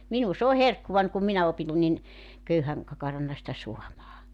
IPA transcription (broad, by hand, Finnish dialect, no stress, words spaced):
minu s oː herkːuʋɑnʲ kum minæ opin nin køyhæŋ kɑkɑrɑnːɑ sitæ suɑmɑː